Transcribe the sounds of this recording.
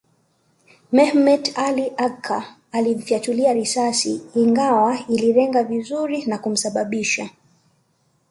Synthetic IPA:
mɛhmɛtaliʔakʰːaː | lim̩fjatuliaɾisasiːŋɡawailiɾɛŋɡavizuɾinakum̩saɓaɓiʃa

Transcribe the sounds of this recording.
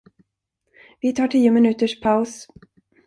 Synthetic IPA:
vɪt̪ʰɑːʈʰiːʊmɪnʉ̟ːt̪əʂpʰaʊs

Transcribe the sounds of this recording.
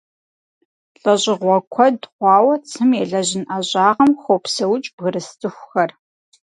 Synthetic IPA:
ɬʼɐɕʼɪʁʷɔkʷʰɔdχʷɑːwɐt͡sʰɨmjɛɮɐʑɪnʔaʑʼaːʁɐmxʷoːpsɐwt͡ʃʼb̥ɣɨɾɨstʰɨxʷxɐr

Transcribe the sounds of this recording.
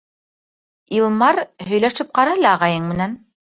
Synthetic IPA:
ilˠmɑɾɦɵ̆jlæʃɘp̚qɑɾɑlɑːʁɑjɤɴmɘ̆næn

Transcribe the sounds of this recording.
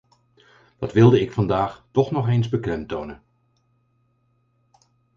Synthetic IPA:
d̥ɑtʋɪlˠdəɪkfɑndaːχtɔχnɔχejnzbəklɛmtownən

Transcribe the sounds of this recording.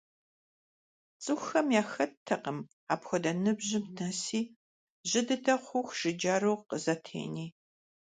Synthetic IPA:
t͡sʼɨxxɐmjaːxɐtʰːɐqəm | aːpxʷɔdɐnɨbʑɪmtʰnɐsiː | ʑɪdɨtʰɐχʷʊxʒ̥ɪd͡ʒaːɾowqəzɐtʰḛːniː

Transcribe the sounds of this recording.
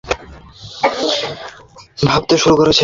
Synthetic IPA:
bʱabt̪eʃuɾukoɾet͡ɕʰe

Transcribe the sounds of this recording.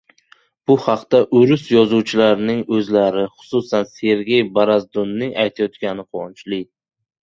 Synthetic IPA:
b̥ʊhɑqt̪aʔʊɾʊsjɒzuwt͡ʃʰɪlaɾnɪŋɵzlaɾɪχʊ̥sʊsanse̞ɾɡʲe̞jbaɾazd̪ʊnːɪŋajt̪ʰajɒt̪kʲanɪqʰont͡ʃʰlɪ

